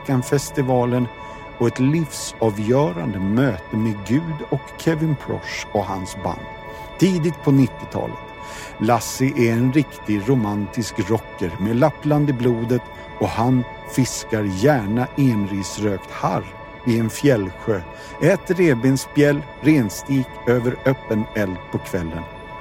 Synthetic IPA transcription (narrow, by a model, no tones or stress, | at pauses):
kanfɛst̪ɪvɑːlən | ɔɛt̪lɪfsɑːvjœːɾa̰nd̪əmøːt̪əmeɡʉ̟ːd̪ɔkʰːɛvɪnpʰɾɔ̰ʂaɦa̰nsba̰nd̪ | t̪ʰːiːd̪ɪt̪̚pʰɔnɪt̪ːɪt̪ʰɑ̰ːlə̰t̪ | lasɪʔæɾɛnɾɪkt̪ɪɾʊmant̪ɪskɾɔkːəɾmeːlapːland̪ɪbluːd̪ət̪ | ɔhan | fɪskaɾjæːɳaʔeːnɾiːsɾøːkt̪ha̰ɾ | ɪɛnfjɛlɧøː | ʔɛːt̪əɾeːbɪnsfjɛlː | ɾeːnst̪iːkøːvəɾœpːənɛlpʰɔkʰvɛlːə̰n